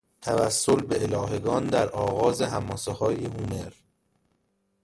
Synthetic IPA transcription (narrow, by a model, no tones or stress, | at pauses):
t̪ʰæ̰væ̰sːolbeelɒːɦe̞ɡɒːnd̪æɾʔɒːɣɒːzeɦæmːɒːsehɒːjehumeɾ